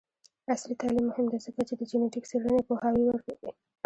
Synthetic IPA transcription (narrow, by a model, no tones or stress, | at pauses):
aslit̪ɑlimːʊhɪmd̪azəkat͡ʃed̪əd͡ʒuneʈɪksiɽənepohɑwiwəɾkawḭ